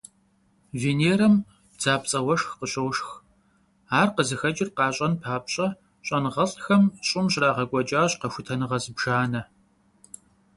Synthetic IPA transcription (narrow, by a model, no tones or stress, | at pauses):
veːneːɾɐm | b̥d͡zaːpt͡sʼɐwɐʂxqəɕʼɐwʂx | aːrqəzɨxɐd͡ʒʼɪrqɑːɕʼɐnpʰaːpɕʼɐ | ɕʼɐnʁɐɬxɐmɕʼɪmɕraːʁɐɡʷʼɔt͡ʃʼaːɕqɐxʷʊtʰɐnɨʁɐzɨbʒ̥aːnɐ